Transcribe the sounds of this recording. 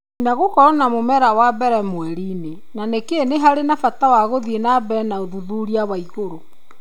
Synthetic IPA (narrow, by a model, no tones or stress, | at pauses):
naɣokɔɾɔnamomɛɾawabɛɾɛmoɛɾiːne | nanekeeneɦaɾenafatawaɣoðienabɛnaoðuðuɾiawaiɣoɾo